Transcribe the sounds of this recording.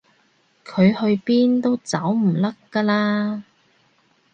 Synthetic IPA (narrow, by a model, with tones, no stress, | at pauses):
kʰɵ˨˧ɥhɵ˧ɥpiː˥nt̪o˥wt͡sɐ˨˥wm̩˨˩lɐ˥kːa˧laː˥